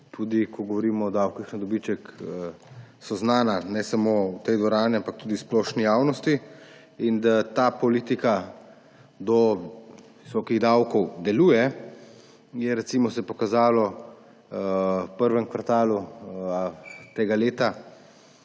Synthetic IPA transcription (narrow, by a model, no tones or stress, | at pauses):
t̪ʰuːd̪ikɔɡɔʋɔɾiːmɔːd̪awkixnad̪ɔbit͡ʃɛkəsɔznaːnanɛsamowt̪ɛjd̪ʋɔɾaːniampak̚t̪uːd̪isplɔʃnijaːwnɔst̪i | ind̪at̪apɔliːt̪ika | d̪ɔ | ʋisɔːkiɣd̪awkɔwd̪ɛluːjɛ | jɛɾɛt̪simɔsɛpɔkazaːlɔ | pəɾʋɛŋkʋaɾt̪aːlu | t̪eːɡaleːt̪a